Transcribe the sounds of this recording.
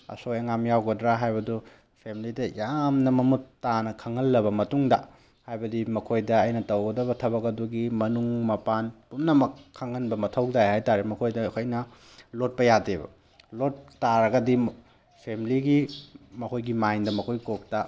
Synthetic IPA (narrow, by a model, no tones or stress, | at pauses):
ɐ̰sojeŋamjawɡɐdɾaɦajbɐdu | pʰemilidɐjamnɐmɐmutːanɐkʰɐŋɐlːɐbɐmɐtuŋdɐ | hajbɐdimɐkʰojdɐɐjnɐtɐwɡɐdɐβɐtʰɐbɐkɐduɡimɐnuŋmɐpanpumnɐmɐkʰːɐŋɐnbɐmɐtʰɐwdajhajtaɾimɐkʰojdɐkʰojnɐ | lot̚pɐjadebɐ̰ | lot̚ːaɾɐɡɐdi | pʰemiliɡimɐkʰojɡimajndɐmɐkʰojkok̚tɐ